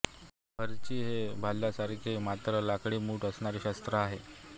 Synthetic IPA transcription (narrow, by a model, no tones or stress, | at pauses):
bəɾt͡ɕiːɦebʱalːjasaɾkʰemat̪ɾəlakɽimuːʈəsɳ̃aɾiːɕast̪ɾəaɦe